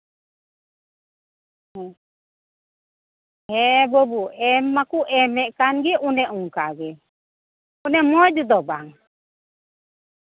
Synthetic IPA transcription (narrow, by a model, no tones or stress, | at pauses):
hɛbɔbuɛmːakuʔɛmɛʔkanɡɛʔunɛʔuŋkaɡɛ | unɛmɔd͡ʒɔd̪ɔbaŋ